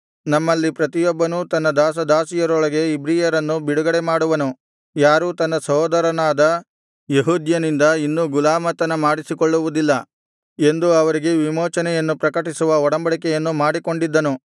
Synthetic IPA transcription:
nɐmːɐlːipɾɐt̪ijɔbːɐnut̪ɐnːɐd̪aːs̬ɐd̪aːsijɐɾɔɭɐɡe̞ibɾiːjɐɾɐnːubiɽuɡɐɽemaːɽuʋɐnu | jaːɾuːt̪ɐnːɐsɐɦɔːd̪ɐɾɐnaːd̪ɐ | jeɦuːd̪jɐnind̪ɐinːuɡulaːmɐt̪ɐnɐmaːɽisikoɭːuʋud̪ilːɐ | e̞nd̪uɐʋɐɾiɡe̞ʋimoːt͡ʃɐnɛjɐnːupɾɐkɐʈisuʋɐɔɽɐmbɐɭikɛjɐnːumaːɽiko̞ɳɖid̪ːɐnu

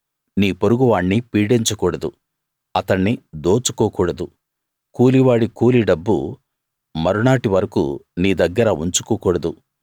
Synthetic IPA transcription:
niːpoɾuɡuʋaːɳːipiːɖiɲt͡ʃɐkuːɽɐd̪u | ɐt̪ɐɳːid̪oːt͡ʃu̥kɔːkuːɽɐd̪u | kuːliʋaːɽikuːliɖɐbːṵ | mɐɾunaːʈiʋɐɾɐkṵniːd̪ɐɡːɐɾauɲt͡ʃu̥kɔːkuːɽɐd̪u

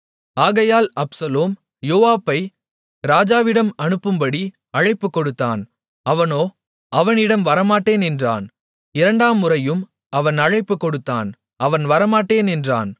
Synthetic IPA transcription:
aːɣɐjaːlɐpsɐloːm | joːʋaːpːɐɪ | ɾaːd͡ʒaːʋɪɽɐmɐɳɯpːɯmbɐɽi | ɐɻɐɪpːɯkːɔɽɯt̪ːa̰ːn | ɐʋɐnoː | ɐʋɐnɪɽɐmʋɐɾɐmaːʈːeːnɛndra̰ːn | ɪɾɐɳɖaːmːɯrɐjɯm | ɐʋɐnɐɻɐɪpːɯkːɔɽɯt̪ːa̰ːn | ɐʋɐnʋɐɾɐmaːʈːeːnɛndra̰ːn

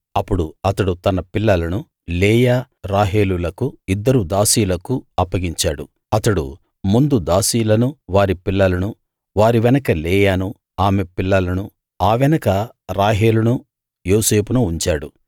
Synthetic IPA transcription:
ɐpːuɽuɐt̪ɐɽut̪ɐnɐpilːɐlɐnu | leːjaː | ɾaːɦeːlulɐkuid̪ːɐɾud̪aːsiːlɐkuɐpːɐɡiɲt͡ʃaːɽu | ɐt̪ɐɽṵ | mund̪ud̪aːsiːlɐnuʋaːɾipilːɐlɐnu | ʋaːɾiʋɛnɐkɐleːjaːnu | aːmepilːɐlɐnu | aːʋɛnɐkɐ | ɾaːɦeːlunu | joːse̞ːpunuːɲt͡ʃaːɽu

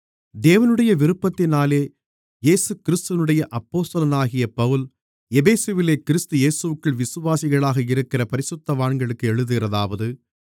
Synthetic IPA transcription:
d̪eːʋɐnɯɽɐjɐʋɪɾɯpːɐt̪ːɪnaːleː | jeːsɯkɪɾɪst̪ɯʋɐnɯɽɐjɐʔɐpːoːst̪ɐlɐnaːɣɪjɐpɐʋɯl | ɛbeːseʋɪleːkɪɾɪst̪ɯjeːsɯʋɯkːɯɭʋɪsɯʋaːsɪɣɐɭaːɣɐɪɾɯkːɪrɐpɐɾɪsɯt̪ːɐʋaːɳɡɐɭɯkːɯɛɻɯðɯɣɪrɐðaːʋɐðɯ

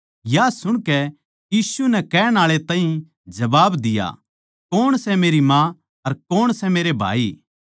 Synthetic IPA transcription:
jasʊɽ̃kɛ | jiːsunɛkɛːɽ̃aːɭet̪aːɦĩ | d͡ʒɐbaːbd̪ɪja̰ | koːɽ̃sɛmeːɾimã | ɐɾkoːɽsɛmeːɾebʱa̰ːi

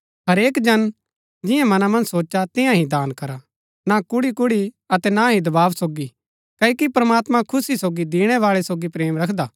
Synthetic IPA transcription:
ɦɐɾeːkd͡ʒɐn | d͡ʒɪjãmɐnamɐ̃nd͡ʒsoːt͡ʃat̪ɪjãɦĩd̪aːnkɐɾa | nakʊɽikʊɽi | ɐt̪ɛnaɦĩd̪ɐbaːʋsoːɡi | kɐkipɾɐmaːt̪mãkʰʊsisoːɡid̪ɪːɽ̃ɛʋaːɭɛsoːɡipɾeːmɾɐkʰd̪aː

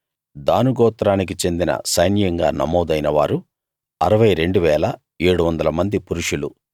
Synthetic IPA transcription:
d̪aːnuɡɔːt̪ɾaːnik̬it͡ʃe̞nd̪inɐ̰sɐjnjɐŋɡa̰ːnɐ̰mɔːd̪ɐjnɐʋaːɾu | ɐɾɐʋɐjɾe̞ɳɖuʋɛːlɐ | e̞ːɽuʋɐnd̪ɐlɐmɐnd̪ipuɾuʂulu

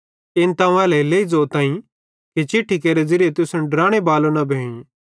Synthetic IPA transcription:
ɪnt̪ãːũɛːlɛleːid͡zoːt̪ãːĩ | kit͡ʃɪʈʰːikeːɾed͡zɪɾɪjet̪ʊsʊnɖɾaːɽ̃ebaːlonɐbʱeːĩ

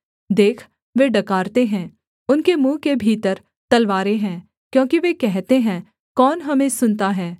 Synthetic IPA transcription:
d̪eːkʰ | ʋeɖɐkaːɾt̪eɦɛ̃ː | ʊnkemũːkebʱiːt̪əɾ | t̪ɐlʋaːɾeɦɛ̃ː | kjõːkiʋekɛɦt̪eɦɛ̃ː | kɔːnɦɐmẽsʊnt̪aɦɛː

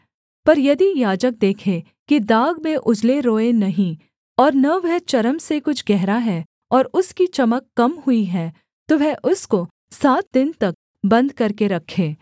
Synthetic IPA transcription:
pɐɾjɐd̪ijaːd͡ʒək̚d̪eːkʰe | kid̪aːɡmẽʔʊd͡ʒleɾoːenɐɦĩ | ɔːɾnɐʋɛɦt͡ʃɐɾəmsekʊt͡ʃʰɡɛɦɾaɦɛː | ɔːɾʊskit͡ʃɐməkːɐmɦʊiɦɛː | t̪oʋɛʔʊsko | saːt̪̚d̪ɪnt̪ɐk̚ | bɐ̃nd̪kɐɾkeɾɐkʰːeː

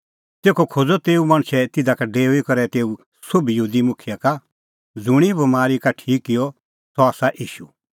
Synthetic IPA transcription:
t̪eːkʰokʰod͡zɔt̪eːumaɽ̃sɛt̪ɪd̪akaɖeːuikɐɾɛt̪eːu | sobʱijɦuːd̪imʊkʰɪjaka | d͡zʊɽ̃ibɐmaːɾikaʈʰiːkːɪjɔ | sɔaːsaʔiːʃu

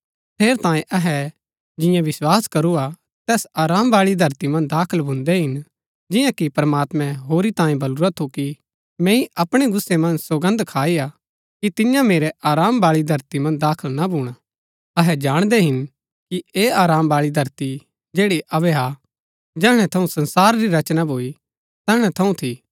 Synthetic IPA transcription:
t̪ʰeːɾt̪ãːẽʔɐɦɛ | d͡ʒɪ̃jãʋɪswaːskɐɾua | t̪ɛːsaːɾaːmbaːɭid̪ʱɐɾt̪imɐ̃nd̪aːkʰəlbʱʊ̃nd̪ɛɦɪn | d͡ʒɪ̃jãkipɐɾɐmaːt̪mɛ̃ɦoːɾit̪ãːẽbɐluːɾat̪ʰuki | mɛ̃iɐpɽ̃eɡʊsːemɐ̃nd͡ʒsoɡə̃nd̪kʰaːia | kit̪ɪjãmeːɾɛʔaːɾaːmbaːɭid̪ʱɐɾt̪imɐ̃nd̪aːkʰəlnabʱuːɽ̃a | ɐɦɛd͡ʒaːɽ̃d̪ɛɦɪn | kieːaːɾaːmbaːɭid̪ʱɐɾt̪i | d͡ʒeːɽiʔɐbɛɦa | d͡ʒɛːɽ̃ɛ̃t̪ʰɐũsɐ̃nsaːɾɾiɾɐt͡ʃnabʱoːi | t̪ɛːɦɽ̃ɛt̪ʰɐũt̪ʰi

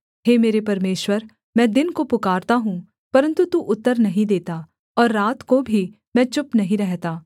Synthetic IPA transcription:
ɦeːmeːɾepɐɾmeːʃwəɾ | mɛ̃ːd̪ɪnkopʊkaːɾt̪aɦũ | pɐɾə̃nt̪ut̪uʔʊt̪ːəɾnɐɦĩd̪eːt̪aː | ɔːɾːaːt̪kobʱiː | mɛ̃ːt͡ʃʊpnɐɦĩɾɛɦt̪aː

